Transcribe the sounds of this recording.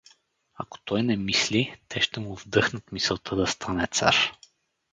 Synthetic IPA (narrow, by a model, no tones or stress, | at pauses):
ɐ̰ko̥t̪ɔjnɛmislit̪ɛʃt̪ɛmʊvd̪ɤxnət̪misɛlˠt̪ʰɤd̪ɐst̪ʰanɛt̪sa̰ɾ